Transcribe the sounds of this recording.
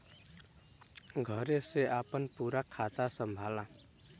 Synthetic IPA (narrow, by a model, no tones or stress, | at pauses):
ɡʱʌɾeseʔapənpuɾakʰːat̪asʌmbʱalã